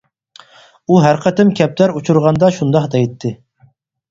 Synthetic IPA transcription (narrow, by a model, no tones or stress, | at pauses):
uɦæɾqʰət̪ɪmkʲʰɛp̚t̪æɾut͡ʃʰuɾʁɑnd̪ɑʃund̪ɑχd̪ɛjt̪ʰːɪ